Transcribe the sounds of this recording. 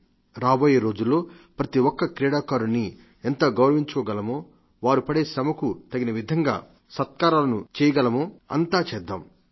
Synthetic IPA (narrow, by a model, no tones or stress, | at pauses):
ɾaːboːjeːɾo̞ːd͡ʒulːo̞ː | pɾɐt̪iwɔkːɐkɾɛːɽaːkaːɾunːi | ɛnt̪ɐɡɐwɾɐʋiɲt͡ʃkɔːɡɐlɐmoː | ʋaːɾupɐɽeːsɐbɐkut̪ɐɡinɐʋid̪ʱɐŋɡa̰ː | sɐt̪̚kaːɾaːlɐnut͡ʃɛːjɐɡɐlɐmoːɐ̰nt̪aːt͡ʃɛd̪ːaːm